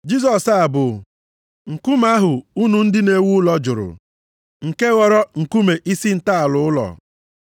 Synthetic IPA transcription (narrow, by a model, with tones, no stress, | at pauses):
d͡ʒi˦zɔ˨sa˨bʊ˨ | ŋ̩˨kʊ˦m˦a˦ɦʊ˨u˦nu˨n̩˦dɪ˦ne˦wu˦lɔ˦d͡ʒʊ˨ɾʊ̰˨ | ŋ̩˨ke˦ɣɔ˦ɾɔ˦ŋ̩˨ku˦me˨ʔi˦si˦n̩˨ta˦a˨lʊ˨ʊ˦lɔ̰˨